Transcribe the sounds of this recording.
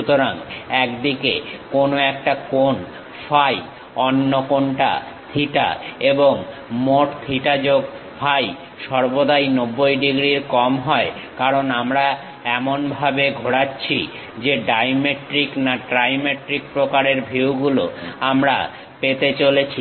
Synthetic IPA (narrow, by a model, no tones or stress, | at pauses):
ut̪oɾaŋɛkd̪ikḛkonoɛk̚ʈakon | faj | ɔnːokoɳʈa̰ | t̪ʰiʈa̰eboŋ | moʈt̪ʰiʈad͡ʑoɡ | fʰaj | ʃɔɾbod̪ajnobːojɖiɡɾiɾkɔmɦɔe | kaɾonamɾa | ɛmonbʱabeɡʱoɽatːɕʰi | d͡ʑeɖajmeʈɾiknaʈɾajmeʈɾikpɾokaɾeɾbʱiwɡulo̰amɾa̰ | pet̪et͡ɕolet͡ɕʰi